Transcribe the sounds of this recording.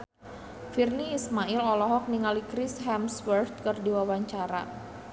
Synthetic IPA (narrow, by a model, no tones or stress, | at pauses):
firniːsmaʔɪlɔlɔɦɔk̚niŋalikɾɪsɦɛmsfərt̪̚kərdiwawaɲt͡ʃaɾa̰